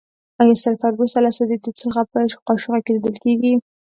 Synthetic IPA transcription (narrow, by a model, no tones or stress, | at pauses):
ajasaɾfaɾbusalaswazed̪ət͡səxapəqɑʃʊɣakeɾid̪əlkeɡi